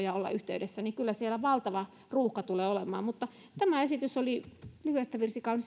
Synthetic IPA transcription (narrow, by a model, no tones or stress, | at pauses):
jɑolːɑ̰ʔyht̪eydesːænikylːæsielæʋɑlt̪ɑʋɑ | ruːhkɑt̪uleːolemɑ̰ːmmut̪ːɑ | t̪æmæesit̪ysolilyhyæst̪æʋirsikɑuns